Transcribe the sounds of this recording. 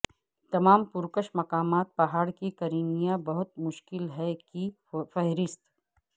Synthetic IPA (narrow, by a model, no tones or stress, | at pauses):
t̪ɐmaːmpʊɾkəʃmɐkaːmaːt̪̚pɐɦaːɽkikɐɾiːnijabɐɦʊt̪̚mʊʃkɪlɦɛki | fɛɦɾɪst̪